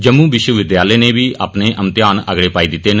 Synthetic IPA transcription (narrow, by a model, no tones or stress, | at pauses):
d͡ʒəmːũːʋɪʃwəʋɪd̪jaːləjneːʋiːʔa̰ːpneːʔəmt̪jaːnə̰ɡɽeːpaːiːd̪ɪt̪ːeːn